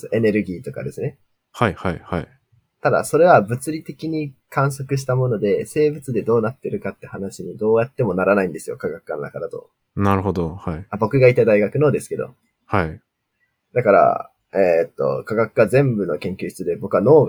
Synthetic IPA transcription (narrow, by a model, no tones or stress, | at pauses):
oʔe̞ne̞ɾɯ̟ɡʲiːt̪o̞ka̰d̪e̞sɨne̞ | haihaihai | t̪ad̪a̰so̞ɾe̞βabɯ̟t͡sɨɾʲit̪e̞kʲiɲ̟ikãɰ̃so̞kɯ̟ɕ̬i̥t̪amo̞no̞d̪e̞se̞ːbɯ̟t͡sɨd̪e̞d̪o̞ːnat̪ːeɾɯ̟kat̪ːehanaɕiɲ̟id̪o̞ːjat̪ːe̞mo̞naɾanaĩnd̪e̞sɨjo̞̰kaɡakɯ̥kːano̞na̰kad̪at̪o̞̰ | naɾɯ̟ɦod̪ohaiabo̞kɯ̟ɡait̪ad̪aiɡakɯ̟no̞ːd̪e̞sɨ̥ke̞d̪o̞̰ | hai | d̪akaɾa̰ | eːt̪ːo̞̰kaɡakɯ̟ɡazẽ̞mbɯ̟no̞kẽ̞ŋkʲɨːɕi̥t͡sɨd̪e̞bo̞kɯ̟βano̞ːɡ